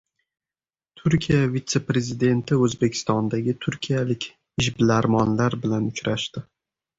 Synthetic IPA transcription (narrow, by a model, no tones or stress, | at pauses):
t̪ʰʊɾkʲʰijjavit̪se̞pɾe̞zɪd̪e̞nt̪ʰɪɵzbe̞kʲʰɪ̥st̪ɒnd̪aɡʲɪt̪ʰʊɾkʲʰijalɪkʲ | ɪʃbɪlaɾmɒnlaɾbɪlanʊt͡ʃɾaʃt̪ɪ